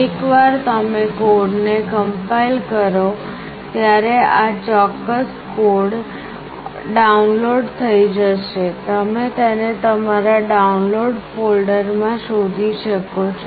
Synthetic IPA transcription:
ekʋaɾt̪əmekoɖnekəmpailkəɾo | t̪jaɾeat͡ʃɔkːəs | koɖ | ɖaunloɖt̪ʰəid͡ʒəʃet̪əmet̪ənet̪əmaɾaɖaunloɖfolɖəɾmãʃod̪ʱiʃəkot͡ʃʰ

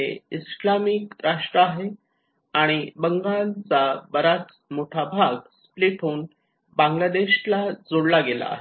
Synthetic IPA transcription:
eislamiːkɾaʂʈɾəaɦe | aɽ̃ibəŋɡalt͡sabəɾat͡s | moʈʰabʱaɡspliʈʰoːn | bãŋɡlad̪eɕlad͡zoɽlaɡela̰a̰ɦe

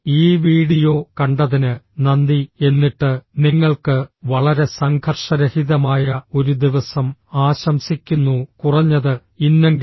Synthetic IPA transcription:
iːʋiːɽijo̞ːkɐɳɖɐðinɨnɐnd̪ie̞nːiʈːɨniŋːɐɭkɨʋɐɭɐɾe̞sɐŋɡʰʱɐrʂɐɾɐhiðɐmaːjɐo̞ɾud̪iʋɐsɐmaːɕɐmsikʲːunːukurɐɲːɐðɨ | inːeŋɡ

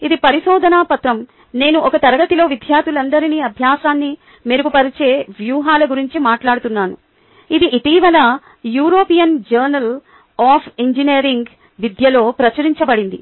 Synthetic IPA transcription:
id̪ipɐɾiʃɔːd̪ʱɐnaːpɐt̪ɾɐm | ne̞ːnuʔɔkɐt̪ɐɾɐɡɐt̪ilo̞ːʋid̪ʱjaːɾt̪ʰulɐnd̪ɐɾiniːɐbʱjaːsaːnːi | meɾuɡupɐɾit͡ʃe̞ːʋjuːɦaːlɐɡuɾiɲt͡ʃimaːʈlaːɽut̪unːaːnu | id̪iʔit̪iːʋɐlɐ | juːɾo̞ːpijɐnd͡ʒɐɾnɐl | aːpʰiɲd͡ʒineːɾiŋɡ | ʋid̪jɐlo̞ːpɾɐt͡ʃɐɾiɲt͡ʃɐbɐɽind̪i

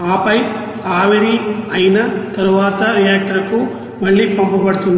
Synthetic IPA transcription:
aːpɐj | aːʋiɾiɐjnɐt̪ɐɾuʋaːt̪ɐɾijaːk̚ʈɐɾku | mɐɭːipompɐpɐɽut̪und̪

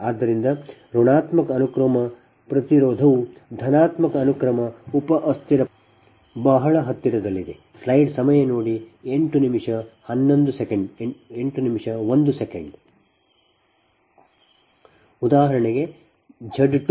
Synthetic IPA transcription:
aːd̪ːɐɾind̪ɐɾoːɳaːt̪mɐkɐːnukɾɐmɐ | pɾɐt̪iɾoːd̪ʱɐʋud̪ʱɐnaːt̪mɐkɐːnukɾɐmɐupɐʔɐst̪iɾɐ | bɐɦɐɭɐɦɐt̪ːiɾɐd̪ɐlːid̪e | slɐjɖsɐmɐjɐnoːɽieɳʈunimʂɐhɐnːond̪usekeɳɖeɳʈunimʂɐʋond̪usekeɳɖ | ud̪aːɦɐɾɐɳeɡe̞ | d͡ʒʱɐɖʈ

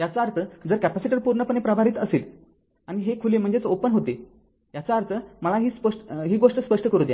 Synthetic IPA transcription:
jat͡saɾt̪ʰəd͡zəɾkæpæsiʈəɾpuɾɳəpənɳepɾəbʱaɾiːt̪əseːl | aɽñiɦekʰulem̤əɳd͡zet͡sopənɦot̪e | jat͡saəɾt̪ʰəməlaɦiːspəʂʈɦiːɡoʂʈəspəʂʈəkəɾũːd̪ja̰

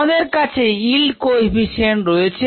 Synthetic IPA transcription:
d̪eɾkat͡ɕʰeilɖkojbʱiʃenɾoet͡ɕʰe

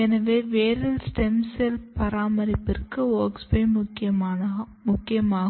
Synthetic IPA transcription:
ɛnɐʋeːʋeːɾɐlsʈɛmsɛlpɐɾaːmɐɾɪpːɪrkɯoːkspɐɪmʊkːɪɐ | mʊkːɪjɐmaːɣ

